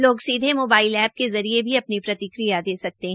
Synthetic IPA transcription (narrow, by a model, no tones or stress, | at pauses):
loːɡsiːd̪ʱemoːbaːɪlɛːb̚kezɐɾiebʱiɐpnipɾɐt̪ɪkɾijad̪eːsɐk̚t̪eɦ